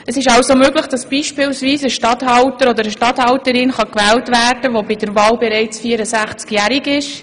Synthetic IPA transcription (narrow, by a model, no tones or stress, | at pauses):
əsɪʃɑwsomøːɡləχd̥ɑsb̥iːʃpɪːlsʋiːsəʃtɑthɑltəɾɔd̪əɾəʃtɑthɑltəɾɪnχɑkʋæːltʋæːrd̥əʋobɪd̥əɾʋɑːlbɛɾɛɪt͡sfiːəɾəsæχt͡skjæɾɪɡɪʃ